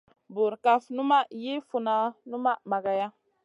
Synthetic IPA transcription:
bu˨ɾka˦fnu˦ma˦ji˦fu˨na˨nu˦ma˦ma˨ɡa˨ja˦

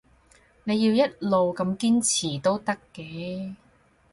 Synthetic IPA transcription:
ne˨˧jiː˧wjɐ˥t̚lo˨wkɐ˧mkiː˥nt͡sʰiː˨˩t̪o˥wt̪ɐ˥kːɛː˧

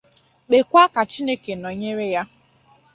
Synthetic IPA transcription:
ɓe˨kʷa˦ka˨t͡ʃi˦ne˦ke˨no˨ɲe˦ɾe˦ja˦

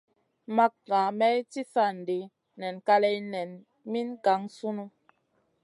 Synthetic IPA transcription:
ma˦k̚ŋa˨mɛ˦jti˦sa˦˨n̩˨de˨˦ | nɛ˨nka˦lɛ˦jnɛ˨n | mi˦nka˨˦ŋsu˦nu˦

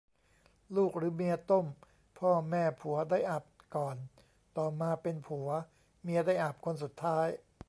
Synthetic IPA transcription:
luː˥˩k̚ɾɯː˩˦mi˧ɐt̪o˥˩m | pʰɔː˥˩mɛː˥˩pʰu˩˦ɐdaː˥˩jʔa˨˩p̚kɔː˨˩n | t̪ɔː˨˩maː˧pe˧npʰu˩˦ɐ | mi˧ədaː˥˩jʔa˨˩p̚kʰo˧ns̬u˨˩t̪ʰːaː˦˥j

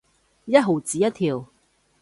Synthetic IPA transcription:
jɐ˥t̚ɦo˨˩wt͡siː˨jɐ˥t̚t̪ʰiː˨˩w

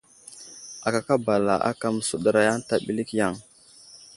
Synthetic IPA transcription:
a˨ka˨ka˦ba˨la˨ʔa̰˦ka˦˨m˨su˨ɗə˨ɾa˦ja˦nta˨ɓi˨li˦kja˦˨ŋ

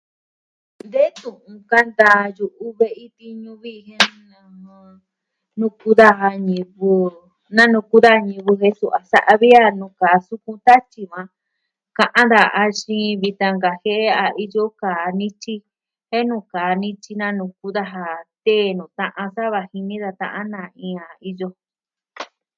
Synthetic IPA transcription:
nd̪e˦t̪ũ˨ʔũ˧ka˦nd̪a˧ju˧ʔu˧βe˧ʔi˦t̪i˧ɲũ˧βi˦˧hẽ˦nã˧ã˧ | nũ˧ku˧˦ða˦˧ɦa˧ɲĩ˧βu˧ | nã˦nũ˧˨ku˦ða˦˧ɲĩ˧βu˧ɦe˧˦su˧ʔa˨sa̰˦ʔa˧βi˦a˧nũ˨˧kaː˨su˧kũ˧˦t̪a˦t͡ʃi˧βã˧ | kã˧ʔã˦d̪a˧˨a˧ʃĩ˦˧˦βi˧t̪ã˧ŋɡa˨he˦e˦a˧i˧jo˦kaː˨nĩ˦t͡ʃi˦ | he˦nũ˧kaː˨nĩ˦t͡ʃi˧nã˦nũ˧ku˦ða˧ɦa˧t̪e˦˨nũ˨t̪ã˧ʔã˧sa˦βa˧hi˧nĩ˦ða˧t̪ã̰˧ʔã˦nã˧˨ĩ˧a˨i˧jo˧

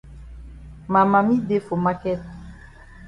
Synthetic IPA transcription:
ma˨ma˨mĩ˦de˦fo˨ma˦kɛ˦t̪̚

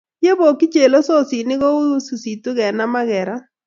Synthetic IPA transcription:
je˦bo˨kɪ˦t͡ʃe˨lo˦sɔ˦si˨nɪ˦ɣɔ˦o˦su˨si˨tʊ˦ɣɛ˨na˦ma˦ɣɛ˨ɾa˦

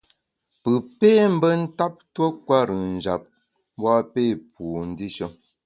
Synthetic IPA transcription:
pɨ˨pe˦m̩˦bə˦n̩˦ta˦p̚twə˦kwa˦ɾɯ˨n̩˨d͡ʒa˨p̚ | m˦bwa˦pe˦˨p̚u˨n̩˦di˦ʃə˦

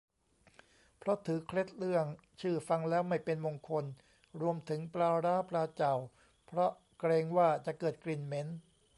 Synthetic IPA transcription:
pʰɾɔ˦˥t̪ʰɯː˩˦kʰɾe˦˥t̪̚lɯ˥˩əŋ | t͡ɕʰɯː˥˩fa˧ŋlɛː˦˥wma˥˩jpe˧nmo˧ŋkʰo˧n | ɾu˧əmt̪ʰɯ˩˦ŋplaː˧ɾaː˦˥pɾaː˧t͡ɕa˨˩w | pʰɾɔ˦˥ | kɾeː˧ŋwaː˥˩t͡ɕa˨˩ʔkɤː˨˩t̪̚kli˧˩nme˦˥n

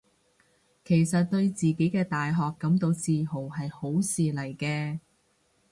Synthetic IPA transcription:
kʰe˨˩jsɐ˨t̚t̪ɵ˧ɥt͡siː˨ke˨˥jkɛː˧t̪aː˨jɦɔː˨kːɐ˨˧˥mt̪o˧wt͡siː˧ɦo˨˩wɦɐ˨jho˨˥wsiː˨lɐ˨˩jkɛː˧

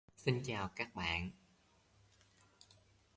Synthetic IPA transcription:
si˧nt͡ɕaː˨˩wkaː˦˥k̚ɓa̰ː˧˨n

